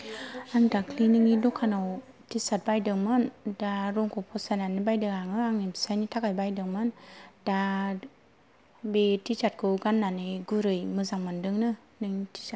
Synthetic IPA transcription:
aŋdakʰlinɯŋidɔkʰanaw | tisat̚bajdɯŋmɯndaɾɔŋkʰɔpʰɔsananɯbajdɯŋaŋɯaŋimsajnitʰakajbajdɯŋmɯnd̥a | betit͡ʃat̚kʰɯwɡanːanɯɡuɾɯjmɯzaŋmandɯŋnɯ | nɯŋitʰi̥sa

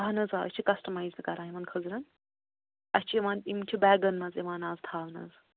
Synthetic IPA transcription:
ɐɦɐnɐzaːɐ̰t͡ʃʰikɐsʈɐmaːjzkɐɾaːimɐnkʰɐzɾɐn | ɐst͡ʃʰiiʋaːnimt͡ʃʰibɛːɡɐnmɐziʋaːnaːzt̪ʰaːʋnɐ̰z

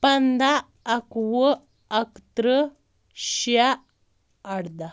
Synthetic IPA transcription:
pand̪aː | kʋə | akt̪ɾə | ɕjaː | ɽd̪a

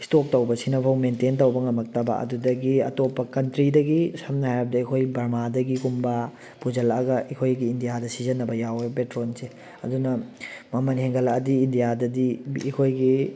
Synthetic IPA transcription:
istok̚tɐwbɐsinɐpʰawmententɐwbɐŋɐmɐk̚tɐba̰ʔɐ̰dudɐɡiɐ̰topːɐkɐntɾidɐɡisɐmnɐhajɾɐbɐdɐikʰojbɐɾmadɐɡiɡumbɐ | pud͡ʒɐlaɐɡɐʔikʰojɡiːndijadɐsizɐnːɐbɐjawepetɾonse | ɐ̰dunɐmɐmɐnheŋɡɐlaɐdiːndijadɐdiːkʰojɡi

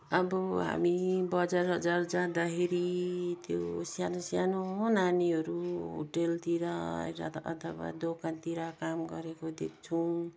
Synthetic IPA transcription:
ʌbʌɦa̰mibʌd͡zaɾʌd͡zard͡zãd̪akʰeɾit̪josjanosjanõnaniɦʌɾuɦo̰ʈelt̪iɾaɾʌ̰t̪ʌ̰t̪ʰʌba̰d̪okant̪iɾakamɡʌɾekod̪ek̚ʰt͡sʰuw̃

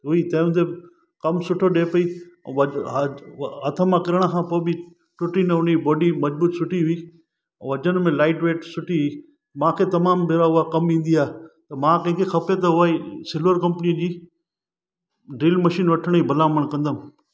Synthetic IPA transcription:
ɦʊit̪aːmt̪e | kɐmsʊʈʰoɗeːpɐiʋɐ | ɦɐt̪ʰəmãkɪɾəɽ̃akʰãːpoːbɪ | ʈʊʈinɐʊnibɔːɖimɐd͡ʑbuːt̪sʊʈʰiɦʊĩ | ʋɐd͡ʑəñmẽlaːɪʈʋeːʈsʊʈʰiɦʊiː | mãkʰet̪ɐmaːmbʱɪɾaɦʊakɐmĩːn̆d̪iaːt̪ɐmãkɐ̃ɦɪ̃ŋkʰexɐpet̪̬ɐɦʊaːisɪlʋəɾkɐ̃mpnid͡ʑiː | ɖiːlmɐʃiːnʋɐʈʰəɽ̃ibʱɐlaːməɽ̃kɐ̃nd̪əm

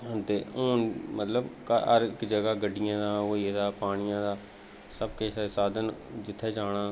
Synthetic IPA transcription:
t̪eːoːnmət̪ləbkəɾɪkd͡ʒəɡaːɡəɖɪjãːd̪aːoːid̪aːpaːɽ̃ɪjãːd̪aː | səbkeːsesaːd̪ənd͡ʒɪt̪ʰːeːd͡ʒaːɽ̃aː

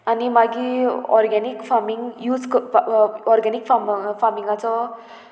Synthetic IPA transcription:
animaɡiɔ̰rɡanikfamiŋjud͡zk | ɔrɡanikfamfamiŋat͡sʌ

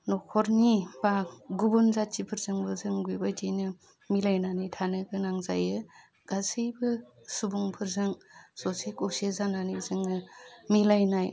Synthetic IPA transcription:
nɔkʰɔɾnibaɡubunzat͡ʃipʰɯɾzɯŋbɯzɯŋɡujbajtinɯ | milajnanitʰanɯɡɯnaŋza̰jɯ | ɡ̥asɯjbɯ | subuŋpʰɯɾzɯŋsɔsekɔsezananizɯŋnɯmilajnaj

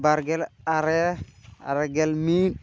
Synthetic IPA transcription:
baɾɡɛlaɾɛa̰ɾɛɡɛlmi

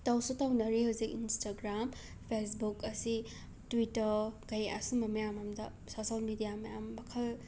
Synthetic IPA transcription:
tawsutawnɐɾiɦawzikinstaɡɾam | pʰesbukɐsi | twitɐɾɡɐja̰sumɐmɐjamamda | sosalmidijamɐjamːɐkʰɐl

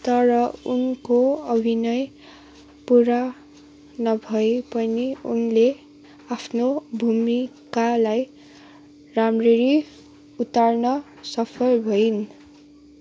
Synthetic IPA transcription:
t̪ʌɾʌunkoʌbʱinʌj | puɾa | nʌbʱʌepʌniunle | apʰnobʱumikalaj | ramreɾi | ut̪arnʌ | sʌpʰʌlbʱʌin

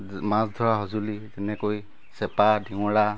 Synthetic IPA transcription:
mãsdʱɔɹaɦɔzulizɛnɛkoj | sɛpadʱiŋɔɽa

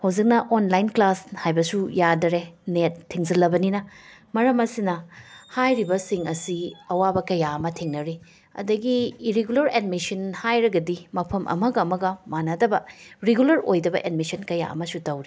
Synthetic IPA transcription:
hɐwzik̚nɐʔonlajnklashajbɐsujadɐɾenetʰːiŋzɐlːɐbɐninɐmɐɾɐmɐsinɐhajɾibɐsiŋɐsiɐwabɐkɐjaɐmɐtʰiŋnɐɾi | ɐ̰dɐɡiːɾeɡulɐɾed̚misɐnhajɾɐɡɐdimɐpʰɐmʔɐ̰mɐɡɐːmɐɡɐmanɐdɐbɐɾeɡulɐɾojdɐbɐ̰ʔed̚misɐnkɐja̰ɐ̰mɐsutɐwɾi

